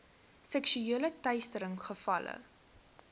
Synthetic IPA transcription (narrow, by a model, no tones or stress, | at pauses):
sɛkʃyeələtɐɥstəɾəŋχəfɐlə̰